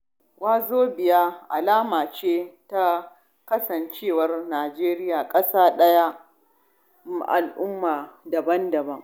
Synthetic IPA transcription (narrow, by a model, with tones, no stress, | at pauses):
waː˦zoː˦bɪ˨jaː˦ʔa˨laː˦maː˨t͡ʃeː˦ta˦ | kɐ˦sɐ˨nt͡ʃeː˦˨wɐ˦rnaː˨d͡ʒeː˦ɾɪ˦jaː˨kʼɐ˦saː˦ɗɐ˦ja˦˨ | ʔa̰˨lʔʊ˦mːaː˨dɐ˨bɐ˦ndɐ˨bɐ˦ŋ